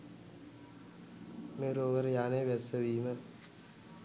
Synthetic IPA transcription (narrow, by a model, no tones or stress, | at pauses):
meːɾoːʋəɾjaːneːʋɛsəʋiːmə